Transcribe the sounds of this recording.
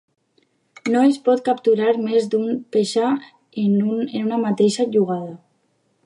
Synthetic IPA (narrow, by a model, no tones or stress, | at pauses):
noespɔt̪̚kapt̪uɾaɾmezd̪umpeʃa | enuenunamat̪eʃaʒuɣað̞a